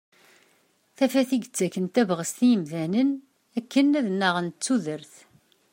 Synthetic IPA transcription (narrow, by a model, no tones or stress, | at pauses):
θæfæθiɡət͡sːækːənt̪ævʁəst̪ijəmðænən | ækːənæðnːəʁənt͡sːuðəɾθ